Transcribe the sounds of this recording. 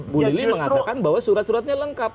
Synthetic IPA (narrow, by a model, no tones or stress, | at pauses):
buliliməŋat̪akanbaɦwasuɾat̪̚suɾat̪̚ɲaləŋkap̚